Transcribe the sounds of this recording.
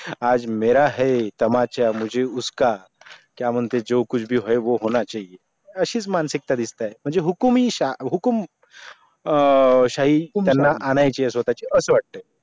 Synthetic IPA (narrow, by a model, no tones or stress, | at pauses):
ad͡zmeɾaɦɛt̪əmat͡ɕjamud͡ʑʱeuska | kjam̤əɳt̪ed͡zokut͡ɕʰbʱiːɦoeʋoɦoñat͡ɕaɦie | əɕiːt͡smansik̚t̪ad̪ist̪aem̤əɳd͡zeɦukmiɕaɦukum | ɕaɦit̪janːaʔanajt͡ɕiɦɛsʋət̪at͡ɕeʔəsəʋaʈ̚t̪ə